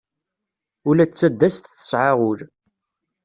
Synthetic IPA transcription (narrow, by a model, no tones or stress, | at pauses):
ʊlæt͡sːæd̪ːæst̪θə̥sʕaʁʊɾ